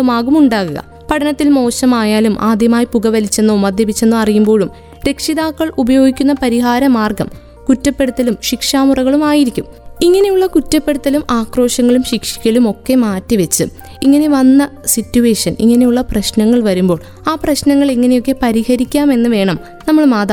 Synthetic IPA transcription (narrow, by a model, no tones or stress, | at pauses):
umaːɣumuɳɖaːɣuɣɐ̰ | pɐʈʰɐnɐt̪ːilmo̞ːɕɐmaːjaːlumʔa̰ːd̪ʱjɐmaːjipuɣɐʋɐlit͡ɕːenːoːmɐd̪ʱjɐbit͡ɕːenːoɐrijumbo̞ːɭum | ɾe̞kʂiðaːkːɐɭubɐjo̞ːɡikʲːunːɐpɐɾiɦaːɾɐmaːrɡɐm | kutːɐpːe̞ɽut̪ːɐlumɕikʂaːmurɐɣɐɭumaːjiɾikʲːum | iŋːɐne̞juɭːɐkutːɐpːe̞ɽut̪ːɐlumʔaːkro̞ːʂɐŋːɐɭumɕikʂi̥kʲːɐlumo̞kːe̞maːtːiʋet͡ɕːɨ | iŋːɐne̞ʋɐnːɐsitːuʋe̞ːʂɐnḭŋːɐne̞juɭːɐprɐɕnɐŋːɐɭʋɐɾumbo̞ːɭ | aːprɐɕnɐŋːɐɭiŋːɐne̞jo̞kːe̞pɐɾihɐɾikʲːaːme̞nːɨʋe̞ːɳɐm | nɐmːɐɭmaːd̪a